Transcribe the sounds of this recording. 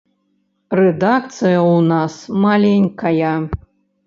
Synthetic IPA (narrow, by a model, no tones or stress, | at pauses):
rɛd̪akt̪sɨjɐwnasmalʲenʲkʰɐja